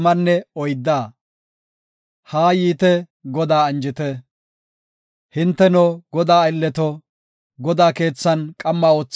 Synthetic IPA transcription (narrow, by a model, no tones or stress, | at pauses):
mɐnːɛɔjd̪ːaː | haːjiːt̪ɛ | ɡɔd̪aːɐnd͡ʒɪt̪ɛ | hɪnt̪ːɛnɔɡɔd̪aːɪlːɛt̪ɔ | ɡɔd̪aːke̞ːt͡sːɐnkʼɐmːaːoːt͡sː